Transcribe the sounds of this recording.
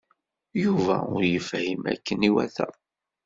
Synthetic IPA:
juvæʊɾjəfhimæ̰kːəniwæθæ

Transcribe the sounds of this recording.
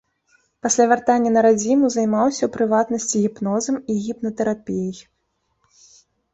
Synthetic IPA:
pasʲlʲavʲart̪anʲːɐnɐɾad͡zʲimuzajmawsʲɐwpɾɨvat̪nɐsʲt͡sʲiɣʲipnɔzɐmiɣʲipnɐt̪ɛɾapʲijɐj

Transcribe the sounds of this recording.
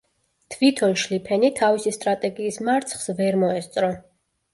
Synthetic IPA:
t̪ʰvit̪ʰɔlʃlipʰɛnit̪ʰavisist̪ʼɾat̪ʼɛɡiːsmaɾt̪sʰχsvɛɾmɔɛst̪sʼɾɔ

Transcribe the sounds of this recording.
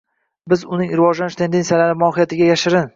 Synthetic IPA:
bɪzʊnɪŋɾɪvɒʒlanɪʃt̪ʰe̞nd̪e̞nsijalaɾɪmɒɦɪjat̪ʰɪɡʲajaʃɪɾɪn

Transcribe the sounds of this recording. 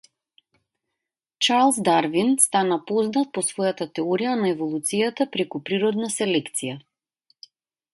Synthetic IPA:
t͡ʃaɾlˠzd̪aɾvinst̪anapɔznat̪̚pɔsvɔjat̪at̪ɛɔɾijanaɛvɔlˠut̪sijat̪apɾɛkupɾiɾɔd̪nasɛlɛkt̪sija

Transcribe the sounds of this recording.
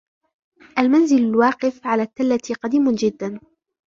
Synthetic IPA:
ʔalmanzɪlalwɑːqɪfʕalaːt̪ːalːat̪qɑd̪iːmʊnd͡ʒɪd̪ːan

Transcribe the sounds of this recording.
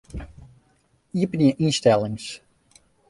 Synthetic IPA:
iəpnjəʔinstɛlˠɪŋs

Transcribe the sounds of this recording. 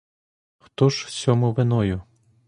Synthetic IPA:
xt̪ɔʒsʲɔmʊʋenɔjʊ

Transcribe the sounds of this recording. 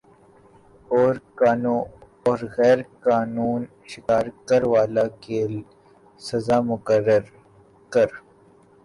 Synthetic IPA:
ɔːɾkaːnũ | ɔːɾɣɛːɾkaːnuːn | ʃɪkaːɾkəɾʋaːlake | sɐzaːmʊkəɾːəɾ | kɐɾ

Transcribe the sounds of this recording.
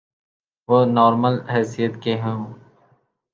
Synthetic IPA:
ʋoːnɔːɾməlɦɛːsijət̪keɦɛ̃ː

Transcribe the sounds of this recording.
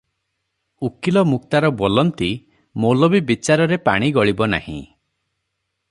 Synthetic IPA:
ukilɔmuk̚t̪aɾɔbolɔnt̪i | molobibit͡ʃaɾɔɾepa̰ɽ̃iɡɔɭibɔna̰hḭ̃

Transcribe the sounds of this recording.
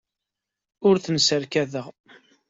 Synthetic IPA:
ʊɾθənsəɾkæðəʁ

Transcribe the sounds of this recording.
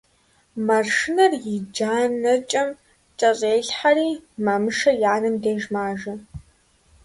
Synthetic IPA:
mɐrʂɪnɐrjɪd͡ʒaːnɐt͡ʃʼɐm | t͡ʃʼɐɕʼeːɬħariːmɐmɨʃɐjaːnɨmdeːʒmaːʒɐ

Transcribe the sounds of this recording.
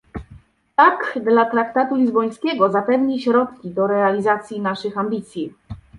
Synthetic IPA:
t̪akd̪lat̪ɾakt̪at̪ulʲizbɔj̃skʲɛɡɔzapɛvɲiɕɾɔt̪kʲid̪ɔɾɛalʲizat̪sʲjinaʂɘxambʲit̪sʲji

